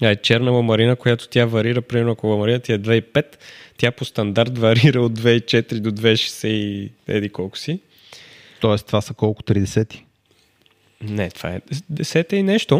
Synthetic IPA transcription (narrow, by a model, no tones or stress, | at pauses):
ɐɛt͡ʃɛɾnəvɐmɐɾinəkojat̪o̥t̪ʲjavɐɾiɾəpɾimɛɾnʊɐkovɐmɐɾinət̪aɛd̪vɛipɛt̪ːjapost̪ɐnd̪aɾt̪vɐɾiɾəod̪̚d̪vɛit͡ʃɛt̪ɾid̪od̪vɛiʃɛ̥sɛiɛ̰d̪ikɔlˠkʊ̥si | t̪ɔɛst̪vasəkɔlˠkʊ̥t̪ɾid̪ɛsɛt̪i̥ | nɛt̪v̥a̰ɛ̰d̪ɛsɛt̪ɛinɛʃt̪o